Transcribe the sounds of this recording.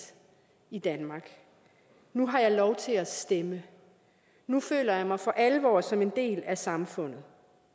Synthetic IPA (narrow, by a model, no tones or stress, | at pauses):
id̥ænmɑ̈ːɡ̥ | nuɦɑ̈jɑ̈ɪlɒʊt͡sʰe̝æsd̥emə | nufø̰ːlɐjɑ̈ɪmɑ̈ɪfɒ̽ʔælʋɒ̰ːsɒ̽me̝nd̥e̝̰ːlæsɑ̈mfɔ̽n̰ð̞̩ˠ